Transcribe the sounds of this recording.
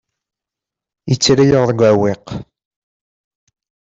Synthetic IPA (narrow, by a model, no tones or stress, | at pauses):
jət͡sːɾajəʁðəɡʷæweq